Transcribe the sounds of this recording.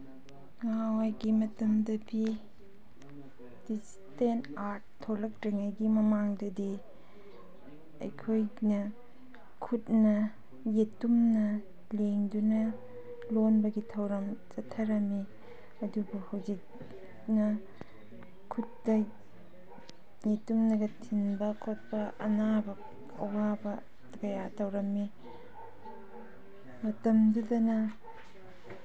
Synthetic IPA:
ŋawajɡimɐtɐmdɐbi | d̥is | tentaɾt̚tʰːolɐk̚ɾiŋajɡimɐmaŋdɐdi | ɐ̰jkʰojnɐ | kʰut̚nɐ | jetumnɐ | leŋdunɐ | lonbɐɡitʰɐwɾɐmt͡ʃɐtʰːɐɾɐmi | ɐdubuhawd͡ʒik̚ | nɐ | kʰutːɐ | jetumnɐɡɐtʰinbɐkʰot̚pɐʔɐnabɐ | ɐ̰wabɐ | ɡɐjatɐwɾɐmi | mɐtɐmdudɐnɐ

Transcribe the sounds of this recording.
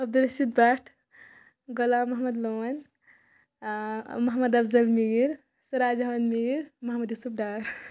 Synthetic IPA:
ɐb̚d̪ulɐsit̪̚baʈʰ | ɡolamɐɦmɐd̪lomɐn | mɐɦmɐd̪ɐbzɐlmiɡiɾ | sɐɾad͡ʒaʋɐnmiɡiɾmɐɦmɐd̪jusup̚ɖaːɾ

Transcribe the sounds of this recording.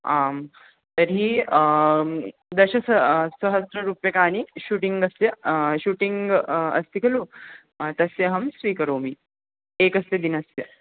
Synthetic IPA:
am | t̪əɾɦiː | d̪əɕɐsəsəɦəst̪ɾəɾuːpjəkaːñiɕuːʈiŋɡəst̪jəɕuːʈiŋɡə̰st̪ikʰelu | t̪ɐsjeɦɐmsʋiːkəɾomi | ekəst̪ed̪inəsjə

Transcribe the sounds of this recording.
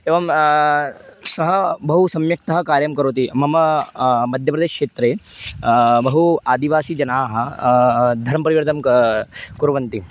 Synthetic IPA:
eːʋɐm | sɐɦɐbɐɦusɐmjɐk̚t̪ɐɦɐkaːɾjɐmkɐɾoːt̪̬imɐmɐmɐd̪ʱjəpɾɐd̪eːʃkʂeːt̪ɾeː | bɐɦuaːd̪iʋaːsiːd͡ʒɐnaːɦɐ̆ | d̪ʱɐɾmɐpɐɾiʋɐɾt̪ɐm | kuɾʋɐnt̪i

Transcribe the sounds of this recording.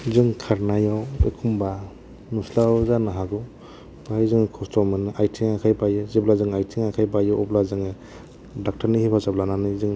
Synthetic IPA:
zɯŋkʰaɾnajawḛkʰumba | nuslawzanɯɦaɡɯ | b̥ajzɯŋkʰɔstʰɔwmɯnɯʔajtʰiŋakʰajbajɯzeblazɯŋajtʰiŋakʰajbajɯʔɔblazɯŋɯ | dak̚tʰaɾnihipʰazablananɯzɯŋ

